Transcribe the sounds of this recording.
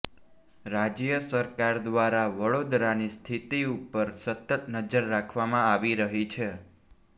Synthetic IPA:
ɾad͡ʒjəsəɾkaɾd̪ʋaɾaʋəɭod̪ɾanist̪ʰit̪iupəɾsət̪ət̪nəd͡ʒəɾːakʰʋamãaʋiɾəɦit͡ʃʰe

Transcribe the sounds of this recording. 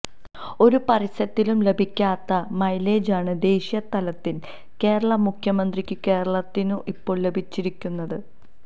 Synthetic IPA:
o̞ɾupɐrisɐt̪ːilumle̞bʱikʲːaːt̪ːɐmɐjle̞ːd͡ʑaːɳɨd̪e̞ːɕijɐt̪ɐlɐt̪ːin | ke̞ːɾɐɭɐmukʰjɐmɐnd̪rikʲːɨke̞ːɾɐɭɐt̪ːinuʔipːo̞ːɭle̞bʱit͡ɕːiɾikʲːunːɐðɨ

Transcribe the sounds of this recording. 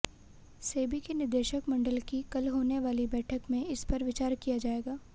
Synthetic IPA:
seːbikenɪɾd̪eːʃəkmɐ̃ɳɖəlkikɐlɦoːneʋaːlibɛːʈʰəkmẽɪspɐɾʋɪt͡ʃaːɾkijad͡ʒaːeːɡaː

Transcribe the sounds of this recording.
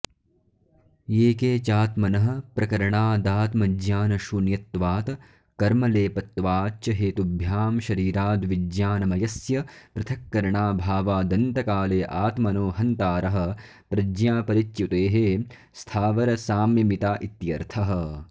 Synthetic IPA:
eːkeːt͡ʃaːt̪mɐnɐɦɐ̆pɾɐkɐɾɐɳaːd̪aːt̪mɐd͡ʒjaːnɐʃunjɐt̪ʋaːt̪ɐ | kɐɾmɐleːpɐt̪ːʋaːt͡ʃɐɦeːt̪ubʱjaːmʃɐɾiːɾaːd̪ʋid͡ʒjaːnɐmɐjɐsjɐpɾɐt̪ʰɐkːɐɾɐɳaːbʱaːʋaːd̪ɐnt̪ɐkaːleːʔaːt̪mɐnoːɦɐnt̪aːɾɐɦɐ̆ | pɾɐd͡ʒjaːpɐɾit͡ʃjut̪eːɦe | st̪ʰaːʋɐɾɐsaːmjɐmit̪aːʔit̪jɐɾt̪ʰɐɦɐ̆

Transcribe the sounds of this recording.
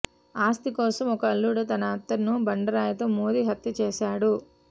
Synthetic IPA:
aːst̪ikɔːsɐmɔkɐːlːuːɽɐt̪ɐnaːt̪ːɐɾnubɐɳɖɐɾaːjɐt̪oːmoːd̪iːɦɐt̪jɐt͡ʃeːʃaːɽu

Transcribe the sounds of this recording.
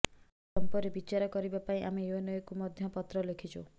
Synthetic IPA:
sɔmpɔɾebit͡ʃaɾɔkɔɾibapaĩʔameeonɔjɔkumɔd̪ʱjɔpɔt̪ɾɔlekʰit͡ʃʰu

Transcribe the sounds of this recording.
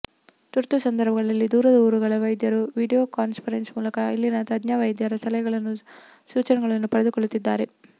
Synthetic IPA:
t̪uɾt̪usɐnd̪ɐɾbʱɐɡɐɭɐlːid̪uːɾɐd̪ɐuːɾuɡɐɭɐʋɐjd̪jɐɾuʋiːɖijoːkaːnspʰɐɾensmuːlɐkɐilːinɐt̪ɐd̪naʋɐjd̪jaɾɐsɐlɐjɐɡɐɭɐnːu | suːt͡ʃɐnɐɡɐɭɐnːupɐɽed̪ukoɭut̪ːid̪ːa̰ːɾe̞

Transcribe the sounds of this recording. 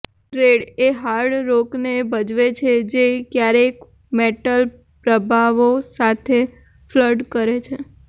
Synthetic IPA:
ʈɾeɽeɦaɽɾoknebəd͡ʒʋet͡ʃʰed͡ʒekjaɾek | meʈəl | pɾəbʱaʋosat̪ʰe | fləɖkəɾet͡ʃʰe

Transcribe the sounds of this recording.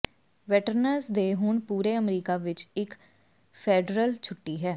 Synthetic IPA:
ʋɛːʈəɾnəɾsd̪eːɦʊɳpuːɾeːəmɾiːkaːʋɪt͡ʃɪk | pʰeːɖɾəlt͡ʃʰʊʈːiːɦɛː

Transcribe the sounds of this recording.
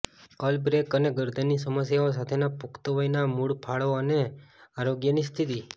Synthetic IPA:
əlbɾekəneɡəɾd̪ʱənːisəməsjaos̬at̪ʰenapukt̪əʋəjnamuɽpʰaɭoəneaɾoɡjənist̪ʰit̪i

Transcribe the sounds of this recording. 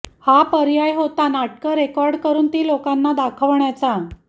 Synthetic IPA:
hapəɾjajɦot̪anaʈ̚ʰkəɾekɔɾɖkəɾuːnt̪iːlokanːad̪akʰəʋɳjat͡sa

